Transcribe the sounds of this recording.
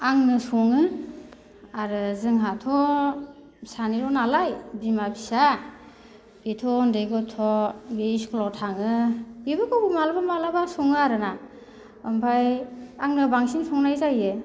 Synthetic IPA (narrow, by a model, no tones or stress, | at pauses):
aŋnɯsuŋɯ | aɾɯzɯŋɦatʰɔ | saniɾɔnalajbimabisa | b̥itʰɔndeɡɔtʰɔbiskʰlɔtʰaŋɯbibɯkɔbumalabamalabasuŋɯaɾɯna | ɯmpʰajaŋnɯbaŋsinsʰɔŋnajzajɯ